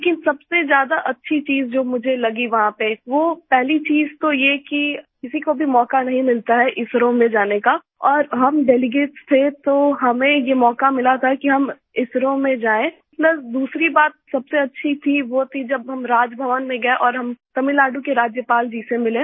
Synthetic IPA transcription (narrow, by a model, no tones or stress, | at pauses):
elːkɪnsɐbsezjaːd̪aʔɐtːʃʰit͡ʃiːzd͡ʒoːmʊd͡ʒʱelɐɡiʋɐɦãpeʋoːpɛɦlit͡ʃiːzt̪ojekikɪsikobʱimɔːkanɐɦĩmɪlt̪aɦɛʔɪsɾõmẽd͡ʒaːneka | ɔːɾɦɐmɖɛːlɪɡeːʈst̪ʰet̪oɦɐmẽjemɔːkamɪlat̪ʰakiɦɐm | ɪsɾõmẽd͡ʒaːẽ | t̪ləbd̪uːsɾibaːt̪̚sɐbseɐtːʃʰit̪ʰiʋot̪ʰid͡ʒɐbɦɐmɾaːd͡ʒbʱɐʋənmẽɡɐẽʔɔːɾɦɐmt̪ɐmɪlaːɖũkeɾaːd͡ʒjəpaːld͡ʒiːsemɪlẽ